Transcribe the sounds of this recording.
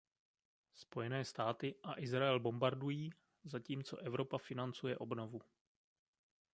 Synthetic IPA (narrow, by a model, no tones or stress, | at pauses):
spo̞jɛnɛːst̪aːt̪ɪʔaʔɪzɾaɛlbo̞mbaɾdujiː | zaciːmt͡so̞̰ʔɛvɾo̞pafɪnant͡sujɛʔo̞bno̞vu